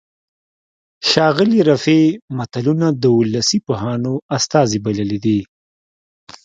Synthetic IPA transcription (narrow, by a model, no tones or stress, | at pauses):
ʃɑːɣɪliɾafemat̪alunad̪əʊlːasipoɦɑnoast̪ɑzibaləlid̪i